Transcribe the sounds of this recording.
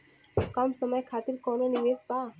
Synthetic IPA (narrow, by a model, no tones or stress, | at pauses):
kəmsəməjkʰaːt̪iɾkɔːnonimesba